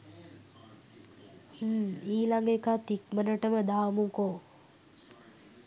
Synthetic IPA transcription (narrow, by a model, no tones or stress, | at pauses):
h̩iːlaŋɡekat̪ikmənəʈəməd̪aːmuŋkoː